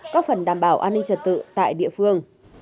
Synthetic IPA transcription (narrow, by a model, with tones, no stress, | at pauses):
kɔː˨˦˥k̚fə˨˩nɗaː˨˩mɓaː˧˩wʔaː˧nːï˧ŋ̟t͡ɕə˨˩t̚t̪ɨ̰˧˨t̪a̰ː˧˨jɗḭ˧˨əfɨ˧əŋ